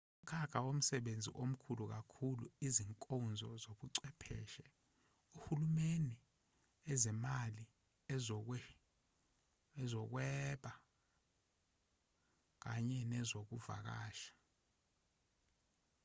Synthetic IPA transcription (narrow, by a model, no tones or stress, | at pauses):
um̩kʰaɡ̥ʰʱawom̩sɛɓend͡zʱḭʔom̩kʰuluk̬akʰuluiziŋkʼɔnd͡zʱɔzoɓuǀɛpʰɛ̰ːʃɛ | uhulumeni | ɛzɛmali | ɛ | ɛzɔk̬wɛːɓa | k̬aɲɛnɛzok̬uva̰k̬aːʃḁ